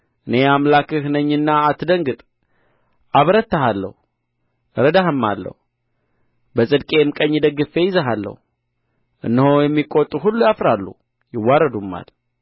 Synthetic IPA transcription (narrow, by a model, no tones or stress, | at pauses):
ʔɨne̞amlakɨhnəɲːɨnːaːt̪ːɨd̪əŋɡɨt̪ʼ | ʔaβɾət̪ːaɦalːə̰hu | ɾəd̪ahɨmːa̰lːə̰hu | bəsʼɨd̪kʼe̞mkʼəɲːid̪əɡɨfe̞jɪzəɦalːə̰hu | ʔɨ̰nːəhojɛmːikʼot̪ʼːuɦulːujafɾalːṵ | jɪwːaɾəd̪umːa̰l